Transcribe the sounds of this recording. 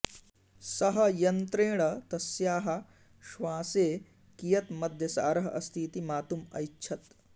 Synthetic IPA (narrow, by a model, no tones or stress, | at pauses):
sɐɦɐjɐnt̪ɾeːɽɐt̪ɐsjaːɦɐ̆ | ʃʋãːseː | kijɐt̪mɐd̪ʱjɐsaːɾɐɦɐʔɐst̪ʰiːt̪imaːt̪umɐ̰jːt͡ʃʰɐt̪